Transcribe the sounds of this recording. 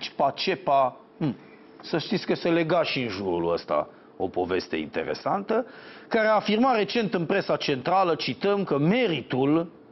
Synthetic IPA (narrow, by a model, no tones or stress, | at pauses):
t͡ʃpat͡ʃe̞pa | səʃt̪it̪sʲkəse̞le̞ɡaʃiɨnʒuɾuləst̪a̰ | o̞̰po̞ve̞st̪e̞̰ḭnt̪e̞̰ɾe̞̰sant̪əkaɾeaːfirmat̪re̞t͡ʃe̞nt̪ɨnpɾe̞sat͡ʃe̞nt̪ɾalət͡ʃit̪əmkəme̞ɾit̪ul